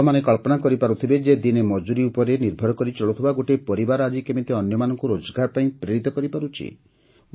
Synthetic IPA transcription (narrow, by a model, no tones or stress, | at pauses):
manekɔɭpɔnakɔɾipaɾut̪ʰibed͡ʒed̪inemɔd͡ʒuɾiupɔɾeniɾbʱɔɾɔkɔɾit͡ʃɔɭut̪ʰibaɡoʈepɔɾibaɾad͡ʒikemit̪eɔnjɔmanɔŋkuɾod͡ʒɡaɾpaĩpɾeɾit̪ɔkɔɾipaɾut͡ʃʰḭ